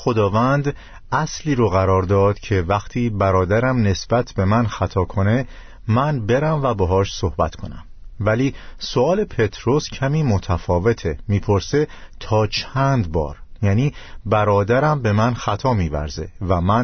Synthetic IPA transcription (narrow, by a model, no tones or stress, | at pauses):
xo̞d̪ɒːvænd̪ | æsliːɾoɣæɾɒːɾd̪ɒːd̪̥cʰe̞væxt̪ʰiːbæɾɒːd̪æɾæmne̞sb̥æt̪ʰb̥e̞mænxæt̪ʰɒːkʰo̞ne̞ | mænbe̞ɾæmvæbeɦɒːʃso̞hbæt̪ʰkʰo̞næ̰mvæliːsoɒːle̞pʰet̪ʰɾo̞scʰæmiːmot̪ʰæfɒːve̞t̪ʰemiːpʰo̞ɾse̞t̪ʰɒːt͡ʃʰænd̪bɒ̰ːɾjæːniːbæɾɒːd̪æɾæmbe̞mænxæt̪ʰɒːmiːvæ̰ɾze̞̰væmæn